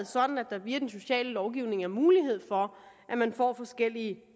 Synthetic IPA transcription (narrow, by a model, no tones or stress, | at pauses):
ð̩ˠsɒ̽d̥n̩æd̥ɑ̈b̥iɐd̥enso̝ɕɛ̰ːləlɒʊɡ̥iʊne̝ŋæɐmuːliɦe̝ð̞̰ˠfɒ̽ʔæmænfɒ̰ːfɒ̽sɡ̥el̰iə